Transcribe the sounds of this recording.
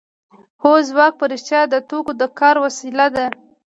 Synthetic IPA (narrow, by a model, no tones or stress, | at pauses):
hozwɑk̚pəɾɪʃt̪jɑd̪ət̪okod̪əkɑɾwasilad̪a